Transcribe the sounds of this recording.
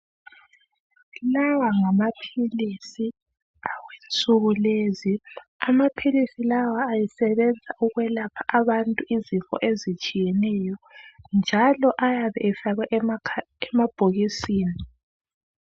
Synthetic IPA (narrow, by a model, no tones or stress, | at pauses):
lawaŋamapʰilisi | awent͡sʼuɣuleziamapʰilisilawaːjisɛβɛnd͡zʱaʔuɣwɛlapʰḁʔaβantʼuizifɔ̰ʔezit͡ʃʼijɛnɛjɔnd͡ʒʱalɔʔajaβɛ̰ʔɛfaɣɛʔ | ɛmab̥ʱoɣisiːni